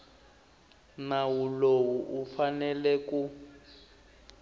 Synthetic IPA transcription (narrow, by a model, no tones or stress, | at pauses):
nawulowuʔufanɛlɛku